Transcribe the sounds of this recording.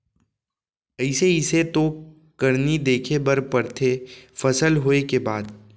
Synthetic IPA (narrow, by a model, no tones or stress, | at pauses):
əɪseɪset̪o | kɐɾnid̪eːkʰebɐɾpɐɾt̪ʰefɐsəlɦoːekebaːd̪